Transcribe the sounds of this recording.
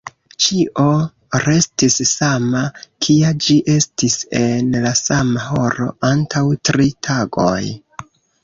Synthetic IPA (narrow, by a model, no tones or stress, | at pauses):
t͡ʃiʔo̞ | ɾe̞stissamakʰiad͡ʒiʔe̞stise̞nlasamaɦo̞ɾo̞̰ʔantʰawtɾitʰaɡo̞̰j